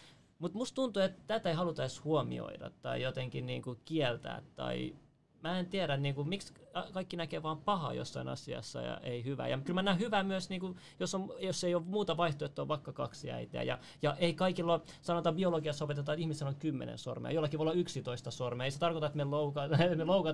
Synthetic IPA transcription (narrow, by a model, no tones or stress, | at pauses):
mut̪must̪unt̪uet̪t̪æt̪æihɑlut̪ɑishuomḭo̰iɾɑ̰t̪tɑ̰ijot̪eŋkinnḭːŋkukiɛlt̪æ̰ːt̪t̪ːɑ̰i | mæːent̪iæɾæniːŋkumiksɑkɑikːinækeːʋɑːmpɑhɑ̰jo̰sːɑinɑ̰siɑ̰sːɑ̰jɑ̰ʔeihyʋæ̰jɑ̰kylmænːæːhyʋæːmyøsniːŋku | josːomjosːeijoʋmuːt̪ɑʋɑiht̪oiet̪ːoʋʋɑkːɑkɑksiæ̰it̪ḛæ̰jɑ̰ | jɑʔeikɑikilːo | sɑnot̪ɑbioloɡiɑsopet̪et̪ɑːt̪ihmiseloŋkymːḛnḛnso̰rmḛɑ̰jolːɑkiʋoolːɑyksit̪oist̪ɑsormeɑeiset̪ɑrkot̪ɑet̪meloukɑtmeloukɑ